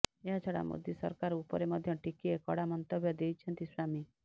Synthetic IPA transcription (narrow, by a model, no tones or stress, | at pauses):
eɦat͡ʃʰɔɽa̰mo̰d̪jisɔ̰ɾkaɾupɔɾemɔd̪ʱjɔʈikiekɔɽamɔnt̪ɔbʱjɔd̪ejt͡ʃʰɔnt̪isami